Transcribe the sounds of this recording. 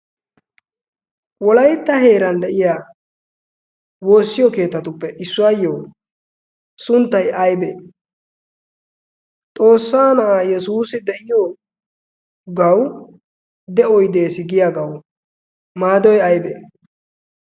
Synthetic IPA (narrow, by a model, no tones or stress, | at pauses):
wɔlɐjt̪ːɐhe̞ːɾɐnd̪ɛʔɪjaː | wo̞ːsːɪjɔke̞ːt̪ːɐt̪ʊpːɛʔɪsːʊwajːoː | sʊnt̪ːɐjɐjbeː | t̪ʼo̞ːsːaːnɐʔaːjɛsuːsɪd̪ɛʔɪjo | ɡɐw | d̪ɛɔjd̪e̞ːsɪɡɪjaːɡɐw | maːd̪ɔjɐjbḛ